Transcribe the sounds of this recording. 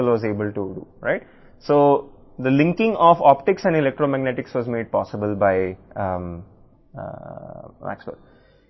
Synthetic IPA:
əlʋɔːzeːbəlʈuɖṵːɾa̰ɪʈ | soː | d̪əlɪ̃ŋkɪ̃ŋɔːfɔːp̚ʈɪksɛ̃ɳɖɪlek̚ʈɾoːmæɡneʈɪksʋɔːzmeːɖ̚pɔːsɪbəlbaɪ | mʔæ̰ksbə̰l

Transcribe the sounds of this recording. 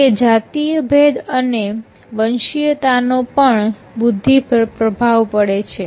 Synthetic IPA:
ked͡ʒat̪ijəbʱed̪əne | ʋənʃijət̪anopəɳ | bʊd̪ʱːipəɾpɾəbʱaʋpəɽet͡ʃʰe

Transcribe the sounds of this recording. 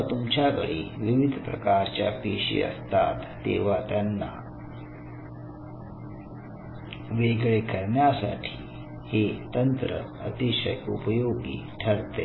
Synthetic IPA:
t̪umt͡ɕaɡəɭiʋiʋid̪ʱpɾɐkaɾt͡ɕja̰piːʂḭə̰st̪a̰t̪ːḛːʋat̪janːa̰ | ʋeɡɭekəɾɳjasa̰ʈʰiː | het̪ənt̪ɾə̰ət̪iʃəjupəjoɡḭːʈʰəɾt̪ḛ

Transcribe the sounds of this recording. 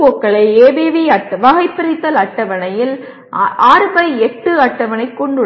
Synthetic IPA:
ɔkːɐɭɐɪeːbeːʋiɐʈːɐʋɐɣɐɪpːɪɾɐɪt̪ːɐlɐʈːɐʋɐnɐjɪl | ʔaːɾɯbɐɪɛʈːɯɐʈːɐʋɐnɐɪkːɔɳɖɯɽ

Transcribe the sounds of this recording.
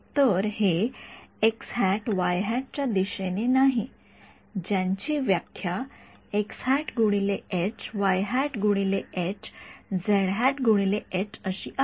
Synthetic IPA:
t̪əɾhe | eksɦæʈʋajɦæʈ̚t͡ɕjad̪iɕenenaɦi | d͡ʑjãɲt͡ɕiːʋjakʰjaekshæʈɡʱuɽ̃ileet͡ɕʋajɦæʈɡuɽ̃ileet͡ɕd͡zeɭɦɛʈɡʱuɽ̃ileet͡ɕəɕiːʔa

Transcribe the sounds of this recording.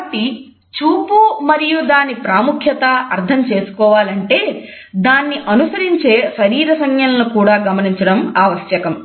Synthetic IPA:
ʈi | t͡ʃuːpumɐɾijud̪aːnːipɾaːmukʰjɐt̪ɐɐɾt̪ʰɐmt͡ʃe̞ːsu̥kɔːʋaːlɐɳʈe̞ː | d̪aːnːiʔɐnusɐɾiɲt͡ʃe̞ːʃɐɾiːɾɐsɐŋjɐlnukuːɽaːɡɐmɐniɲt͡ʃɐɽɐmaːʋɐʃjɐkɐm

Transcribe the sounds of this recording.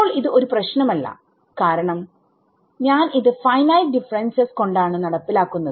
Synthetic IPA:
oːɭiðɨo̞ɾuprɐɕnɐmɐlːɐ̰ | kaːɾɐɳɐm | ɲaːniðɨfɐjnɐj̚ɖifɐrensɐsko̞ɳɖaːɳɨnɐɽɐpːilaːkːunːɐðɨ

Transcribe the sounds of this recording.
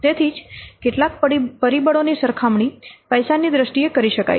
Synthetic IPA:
t̪et̪ʰid͡ʒkeʈlak̚ppəɾibəɽonisəɾkʰamɳipəjsanid̪ɾəsʈiekəɾiʃəka̰j

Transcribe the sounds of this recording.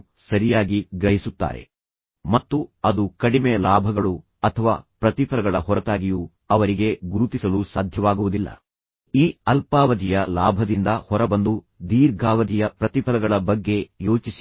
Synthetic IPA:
sɐɾijaːɡiɡɾɐɦisut̪ːa̰ːɾe̞̰ | mɐt̪ːuɐd̪ukɐɽimɛjɐlaːbʱɐɡɐɭu | ɐt̪ʰɐʋa̰ːpɾɐt̪ipʰɐɾɐɡɐɭɐɦɔɾɐt̪aːɡiju | ɐʋɐɾiɡe̞ɡuɾut̪isɐlusaːd̪ʱjɐʋaːɡuʋud̪ilːɐ̰ | iːɐlpaːʋɐd̪ʱijɐla̰ːbʱɐd̪ind̪ɐhɔɾɐbɐnd̪u | d̪iːɾɡʱaːʋɐd̪ʱijɐpɾɐt̪ipʰɐɾɐɡɐɭɐbɐɡːe̞jo̞ːt͡ʃis

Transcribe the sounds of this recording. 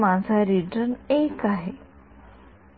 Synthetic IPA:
mãnsaɾiʈənekaɦe

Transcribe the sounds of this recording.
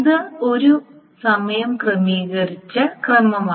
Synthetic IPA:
ðɨo̞ɾu | sɐmɐjɐmkrɨmiːɣɐrit͡ɕːɐkrɐmɐmaː

